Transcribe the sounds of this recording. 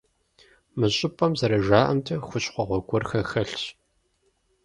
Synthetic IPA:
mɨɕʼɪpʼɐmzɐɾɐʒaːʔɐmtʰɐxʷʊɕχʷɔʁʷɔɡʷɔrxɐxɐɬɕ

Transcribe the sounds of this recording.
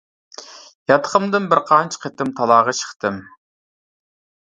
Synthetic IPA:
jɑt̪ʰə̥χəmd̪ɨnbɪɾqʰɑnt͡ʃʰqʰet̪ɪmt̪ʰɑlˠɑːʁɑʃʰə̥χt̪ɨm

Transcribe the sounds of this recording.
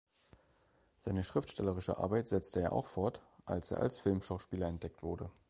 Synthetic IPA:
z̥aɪnəʃʁ̥ɪftʃtɛləʁɪʃə̰ʔa̰ɐbaɪtz̥ɛt͡stəeːɐʔa̰ʊxfɔɐtʔa̰lsʔḛːɐʔa̰lsfɪlmʃaʊʃpiːlɐɛnt̚d̥ɛk̚tv̥ʊɐdə

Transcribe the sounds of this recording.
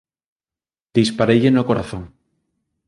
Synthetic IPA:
d̪̥ispaɾeʎenokoɾaθõŋ

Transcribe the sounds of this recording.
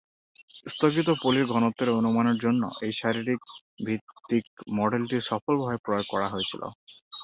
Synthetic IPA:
st̪ʰoɡit̪̬opoliɾɡʱɔnot̪ːoɾeonumanoɾd͡ʑonːo̰ʔejʃaɾiɾik̚ | bʱit̪ːik̚mɔɖelʈisɔpɔlbʱɔepɾɔoɡ̚kɔɽaɦojet͡ɕʰilo̰

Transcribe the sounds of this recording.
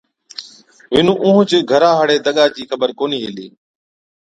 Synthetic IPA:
ʋɪnũːʔũːɦt͡ʃɪɡʱəɾaːɦəɽeːd̪əɠaːd͡ʒiːxəbəɾkoːniːɦeːliː

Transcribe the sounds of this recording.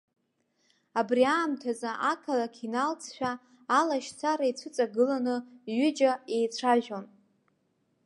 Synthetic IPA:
abriaːmtʰazaʔakʰalakʲʰinalt͡sʰʃʷᶣaː | laʃt͡sʰaɾait͡sʷʰɨt͡sʼaɡɨlanɨɥʏd͡ʒae̞jt͡ɕʷʰaʒᶣon

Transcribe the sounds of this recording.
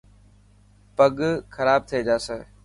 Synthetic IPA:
pəɠxʰəɾaːb̚t̪ʰied͡ʒaːsəː

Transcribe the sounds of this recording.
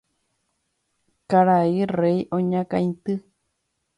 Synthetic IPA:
kaɾaireiʔoɲãkãĩt̪ɨ

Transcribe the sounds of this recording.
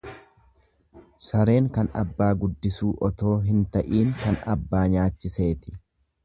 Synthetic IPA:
sɐɾe̞ːŋkɐnɐ̰bːaːɡʊd̪ːɪsuːʔɔt̪o̞ːɦɪnt̪ɐʔiːŋkɐnɐ̰bːaːɲaːt͡ʃːɪse̞ːt̪ɪ̥

